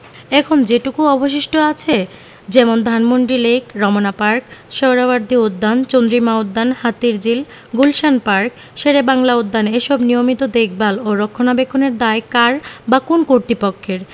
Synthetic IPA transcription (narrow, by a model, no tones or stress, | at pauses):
ɛkʰond͡ʑeʈukuɔbʱoʃ̬iʃʈoat͡ɕʰe | d͡ʑɛmond̪ʱanmonʈɾilekɾɔmonapaɾkʃɔwɾabaɾd̪ʱiod̪ːant͡ɕond̪ɾimaod̪ːanhat̪iɾd͡ʑil | ɡulʃanpaɾk | ʃeɾebaŋlaod̪ːaneʃɔbnijomit̪od̪ek̚baloɾokʰːonabekʰːoneɾd̪aekaɾbakonkoɾt̪ipokʰːeɾ